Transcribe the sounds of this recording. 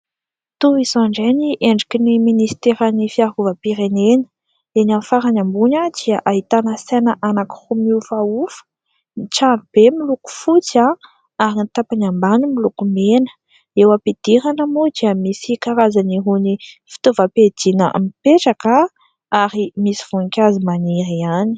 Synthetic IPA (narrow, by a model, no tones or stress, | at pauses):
t̪uizoaɳɖ͡ʐeniʔeɳɖ͡ʐikiniminist̪eɾanifiaɾuvəpiɾenenə̥ | enamfaɾaɲambuɲəd̪̥iəʔaɦit̪anəsenəʔanaki̥humiufaufə̥ | niʈ͡ʂalub̥emiluku̥fut͡sa | aɾinit̪apanambanimilukumenə̥ | ewapid̪̥iɾanəmod̪iəmisikaɾazaniɦunifi̥t̪ovaped̪̥inə̰mipeʈ͡ʂaka | aɾimisiv̥uŋkʲazimaniɾiani̥